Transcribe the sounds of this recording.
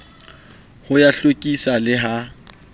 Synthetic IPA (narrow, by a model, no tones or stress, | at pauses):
hʊjaɬokʼisalɪɦa